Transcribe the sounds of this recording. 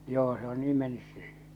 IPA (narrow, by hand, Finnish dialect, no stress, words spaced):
joː se o niː menːys se